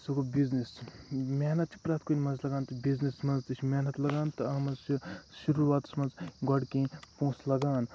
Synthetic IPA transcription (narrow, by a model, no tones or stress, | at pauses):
sɐkobiznismʲaːnɐt̪̚t͡ʃʰi̥pɾaːt̪ʰkonʲmɐnzlɐɡaːnt̪ɐbiznismɐnd͡zt̪it͡ʃʰimʲaːnɐt̪lɐɡaːnt̪ɐɐmɐsiʃuɾuʋaːt̪smɐnzɡɐɽkẽpõːslɐɡaːn